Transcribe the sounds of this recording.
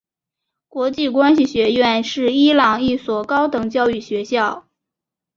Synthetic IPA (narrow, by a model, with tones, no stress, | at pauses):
kwɔ˧˥t͡ɕi˥˧kwa˥nɕ̬i˥˩ɕɥɛ˧˥ɥɛ˥˧nʂɻ̩˥˩i˥lɑ˨˩ŋi˥˩swɔ˨˩kɑ˥ʊt̪ɤ˨˩ŋt͡ɕjɑ˥˧ʊy˥˩ɕɥɛ˧˥ɕjɑ˥˩ʊ